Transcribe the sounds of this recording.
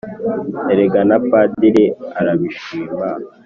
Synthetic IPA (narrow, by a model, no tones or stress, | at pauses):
eɾeɡanapadiɾeaɾaβiʃiːma